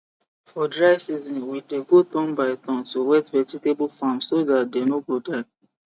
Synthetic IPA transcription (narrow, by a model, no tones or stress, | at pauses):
fɔdɹaɪsizɔ̃nwideɡot̪ɔ̃nbaɪt̪ɔ̃ntowɛtvɛd͡ʒitebufãmsodat̚denoɡodaɪ